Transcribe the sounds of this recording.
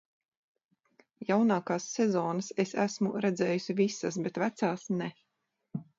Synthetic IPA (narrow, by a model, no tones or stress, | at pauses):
jawnaːkaːsːɛzɔːnasesæsmṵɾɛd̪zɛːjusʲivisas̬bet̪væt̪saːsnɛ